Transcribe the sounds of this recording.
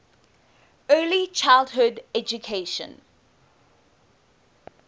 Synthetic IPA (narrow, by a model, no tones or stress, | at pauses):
ɜːlit͡ʃʰaɪlˠdɦʊdɛd͡ʒukʰeɪʃə̰̃n